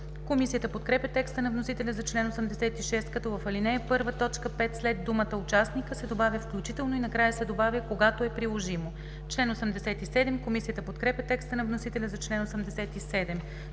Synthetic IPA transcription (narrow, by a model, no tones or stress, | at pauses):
komisijət̪əpot̪̚kɾɛpʲɐt̪ɛkst̪ənɐvnosit̪ɛlʲɐzɐt͡ʃlɛnosɛmd̪ɛsɛt̪iʃɛst̪kɐt̪ɔvɐfɐlinɛɛpɤɾvət̪ɔt͡ʃkəpɛt̪slɛd̪d̪umət̪əʊt͡ʃasnikəsɛd̪obavʲəfklʲut͡ʃit̪ɛlˠnoinɐkɾajəsɛd̪obavʲjəkoɡat̪oɛpɾilˠoʒimo | t͡ʃlɛnosɛmd̪ɛsɛt̪isɛd̪ɛmkomisijət̪əpot̪kɾɛpʲjɐt̪ɛkst̪ənɐvnosit̪ɛlʲɐzɐt͡ʃlɛnosɛmd̪ɛsɛt̪isɛd̪ɛm